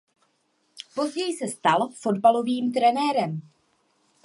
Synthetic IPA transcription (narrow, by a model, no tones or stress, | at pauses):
po̞zɟɛjsɛst̪alfo̞dbalo̞viːmt̪̬ɾɛnɛːɾɛm